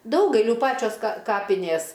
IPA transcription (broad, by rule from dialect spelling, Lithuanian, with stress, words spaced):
ˈdɐʊɡɐɪlʲuː ˈpɑːt͡ʃʲoːs kɐ ˈkɑːpʲɪnʲeːs